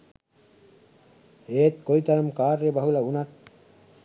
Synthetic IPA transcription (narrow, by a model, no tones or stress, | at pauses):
eːt̪̚kojt̪aɾmkaːɾːebaɦulaunat̪̚